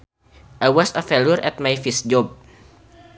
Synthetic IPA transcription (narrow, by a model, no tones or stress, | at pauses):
ʔajwɔsəfɛluɾʔɛt̪̚majfisd͡ʒɔb̚